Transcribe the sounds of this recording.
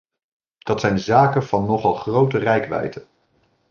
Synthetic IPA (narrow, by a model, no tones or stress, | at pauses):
d̥ɑtsɛjnzaːkənvɑnːɔχɑlˠχrowtərɛjkʋɛ̰jtən